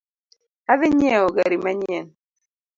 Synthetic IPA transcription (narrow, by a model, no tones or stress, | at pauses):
aveɲɛoɡaɾimaɲɛn